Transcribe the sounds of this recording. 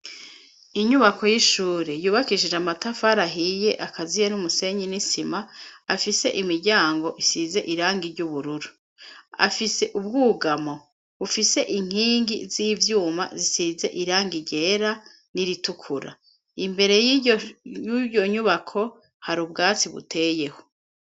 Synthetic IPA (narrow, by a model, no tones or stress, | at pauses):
iɲuβakʰo̞jiʃuːɾejuːβakiʃiʒamatafaɾaɦije̞ʔakazijenumuse̞ɲinisimaːfise̞̰ʔimiɾɟaːŋɡo̞ʔisize̞ʔiɾaːŋɡiɾɟuβuɾuɾu | a̰fise̞ʔub̚ɡuːɡamo̞ | βufise̞ʔiŋ̥iːŋɡiziːvjuːma̰zisize̞ʔiɾaːŋɡiɟe̞ːɾa | niɾitukʰuɾa̰ | imbe̞ɾe̞jijuɟo̞ɲuβakʰo̞ | haɾubɡaːt͡siβṵtʰe̞ːje̞ho̥